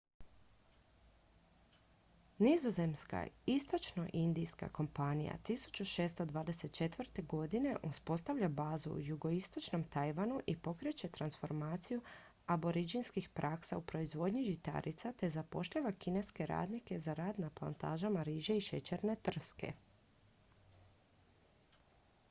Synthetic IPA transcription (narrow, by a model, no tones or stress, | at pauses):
nizo̞ze̞mska̰ist̪o̞t͡ʃno̞ʔind̪ijska̰ko̞mpanija̰t̪isu̥t͡ɕuʃe̞ːst̪od̪ʋaːd̪e̞set̪̚t͡ʃe̞t̪ʋr̩t̪e̞ɡo̞d̪ine̞ʔuspo̞st̪aʋʎabaːzṵṵjuɡo̞ist̪o̞t͡ʃno̞mt̪ajʋanuʔipo̞kɾe̞t͡ɕe̞t̪ɾansfo̞ɾmaːt̪siju | abo̞ɾid͡ʒinskixpɾʔaksaupɾo̞izʋo̞d̪ɲiʒit̪a̰ɾʔit̪sat̪e̞zapo̞ʃʎaʋakine̞ske̞ɾa̰ːd̪nike̞zaɾaːd̪naplˠa̰nt̪a̰ːʒamaɾiːʒeiʃe̞t͡ɕeɾne̞t̪r̩ske̞̰